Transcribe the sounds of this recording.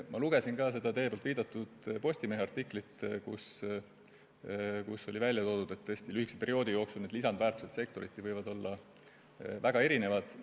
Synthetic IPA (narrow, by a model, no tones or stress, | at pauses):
mʔɑluɡ̥e̞sinkɑːse̞d̪ɑt̪e̞ːpolt̪viːd̪̥ɑt̪ːˑud̪̥po̞sʲt̪imeɦeɑrt̪ːikˑlit̪kṵs | kuso̞livælʲːjɑt̪o̞ːd̪̥ud̪̥e̞t̪ːɤesʲt̪ilyhiksepe̞ɾio̞ːd̪ijo̞ːksulned̪lisɑnd̪væːɾrt̪u̥set̪se̞kt̪o̞ɾit̪ːivɤjvɑd̪o̞lːɑ | væɡɑe̞ɾine̞vɑd̪̥